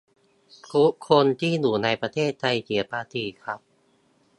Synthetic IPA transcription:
kʰu˦˥kʰːo˧nt̪ʰiː˥˩nuː˨˩˦na˧jpɾa˧t̪ʰeː˥˩t̪ʰːa˧jt͡ɕi˨˩˦ɐpaː˧t̪ʰiː˧˩kʰɾa˦˥p̚

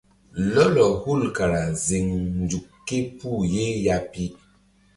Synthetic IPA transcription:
lɔ˦lɔ˨hu˦˨lka˨ɾa˨zi˨ŋn˨d͡ʒu˨kːe˦pu˦˨je˦ja˦pi˦

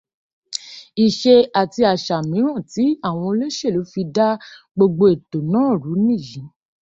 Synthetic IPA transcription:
i˨ʃe˧a˨ti˧a˨ʃa˨mĩ˨˦ɾ̃ã˦˨ti˨˦a˦˨w̃ɔ̃˧o˧le˦ʃe˦˨lo˨˦fi˧da˦ | ɡ͡bo˧ɡ͡bo˧e˨to˨nãː˦˨ɾu˨˦nĩ˦˨jĩ˨˦

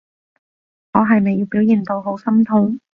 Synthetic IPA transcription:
ŋɔː˨˧ɦɐ˨jme˨jiː˨˧wpiː˨˥wjiː˨˩nt̪o˧wɦo˨˥wsɐ˥mt̪ʰʊ˨˥ŋ

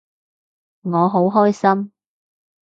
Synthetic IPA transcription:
ŋɔː˨˧ɦo˨˥wɦɔː˥jsɐ˥m

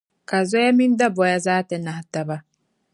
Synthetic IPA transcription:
ka˨zɔ˦ja˦mĩ˦n˦da˦bɔ˨ja˨zaː˦tɛ˨nã˨ha˨ta˨ba˦

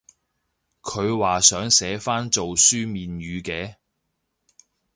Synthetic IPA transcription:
kʰɵ˨˧ɥwaː˨sœː˨˥ŋsɛː˨˥faː˥nt͡so˨wsyː˥miː˨nɥyː˨˧kɛː˨˧

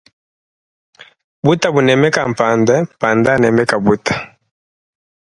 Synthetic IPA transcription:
bu˦ta˨bu˨nɛ˨mɛ˦ka˨m˨pa˨ndɛ˦mpa˨nda˦nɛ˨mɛ˦ka˨bu˦tḁ˨

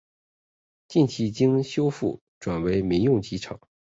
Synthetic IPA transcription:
t͡ɕi˥˩nt͡ɕʰi˧˥˩t͡ɕi˥ŋɕjo˥ʊfṵ˥˩ | ʈ͡ʂwa˨˩nwe˧˥ɪmi˧˥ŋjʊ˥˩ŋt͡ɕi˧˥ʈ͡ʂʰɑ̰˨˩˦

